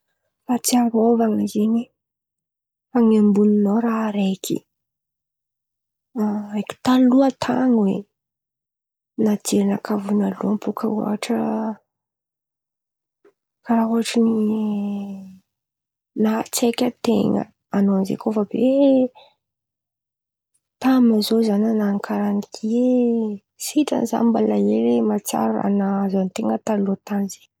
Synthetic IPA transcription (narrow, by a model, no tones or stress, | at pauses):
fat͡sianovaŋizeɲi | aŋambuninoɾaɾekʰḭ | ekʲi̥t̪aluat̪ʰa̰ŋwe | nad͡ʒeɾinakʰavunaluampokʰaṵa̰ʈ͡ʂə | kaɾaɦuaʈ͡ʂəni | nat͡sekʲət̪eŋə̰ | anonzḛkofabe | t̪amazozananaŋkʰaɾanikʰie | siʈ͡ʂə̰niza̰nmbalaeɾemat͡sa̰ɾa̰nazant̪eŋət̪aloat̪anize̥